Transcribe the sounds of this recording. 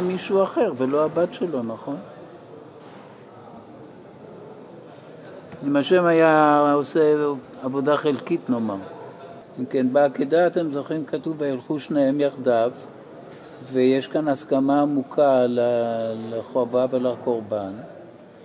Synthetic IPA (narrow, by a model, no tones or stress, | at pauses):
miʃuaχe̞ʁvelo̞abat̪ʃelo̞naχo̞n | imaʃemajaoseavo̞daχelkitno̞maʁ | imke̞nbeaked̪aːt̪e̞mzo̞χimkat̪uvajalχuʃneemjaχd̪av | vejeʃkanaskamaːmukʰalalaχoavavelako̞ʁban